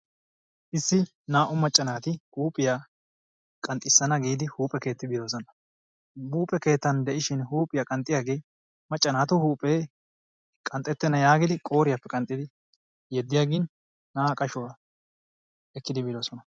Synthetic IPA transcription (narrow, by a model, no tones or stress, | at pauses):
ʔɪsːɪ | naːʔʊmɐt͡ʃʼːɐnaːt̪ɪhuːpʼɪja | kʼɐnt̪ʼːɪsːɐnɐɡiːd̪ɪhuːpʼɛke̞ːt̪ːɪbɪlo̞ːs̬ɔnɐ | buːpʼɛke̞ːt̪ːɐnd̪ɛʔɪʃɪnhuːpʼɪjakʼɐnt̪ʼːɪjaːɡej | mɐt͡ʃʼːɐnaːt̪ʊhuːpʼeː | kʼɐnt̪ʼːɛt̪ːɛnɐjaːɡɪd̪ɪkʼo̞ːɾɪjapːɛkʼɐnt̪ʼːɪd̪ɪ | jɛd̪ːɪjaːɡɪnː | aːkʼɐʃɔ | ɛkːɪd̪ɪbɪlo̞ːsɔnɐ